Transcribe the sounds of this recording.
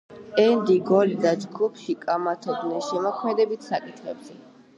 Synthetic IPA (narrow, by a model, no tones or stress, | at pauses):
ɛnd̪iɡɔlid̪ad͡ʒɡupʰʃikʼamat̪ʰɔɡnɛnʃɛmɔkʰmɛd̪ɛbit̪ʰsakʼit̪ʰχɛbzɛ